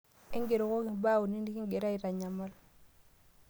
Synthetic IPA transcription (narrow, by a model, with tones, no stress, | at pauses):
i˦ɡe˨ɾo˨ko˦ki˨baː˦wu˨ni˦ni˦ki˦ŋɡe˨ɾa˦i˨ɾa˨ɲa˨ma˦l